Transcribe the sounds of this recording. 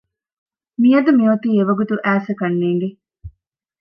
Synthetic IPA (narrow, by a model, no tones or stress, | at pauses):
mijɐd̪ɐmiot̪iːeʋɐɡut̪uʔæːsɐkɐnːeːŋɡe